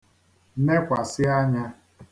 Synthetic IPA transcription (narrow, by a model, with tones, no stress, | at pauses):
ne˦kʷa˨sɪ˦a˦ɲa˦